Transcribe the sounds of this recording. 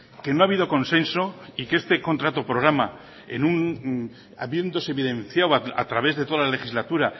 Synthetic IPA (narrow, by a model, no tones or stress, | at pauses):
ke̞no̞aβ̞iðo̞ko̞nse̞nso̞ikest̪e̞ko̞nt̪ɾat̪opɾo̞ɣ̞ɾama | ḛnun | a̰βje̞nd̪o̞seβiðẽ̞nθjawaa̰t̪ɾaβe̞zðet̪o̞alale̞xizlat̪uɾa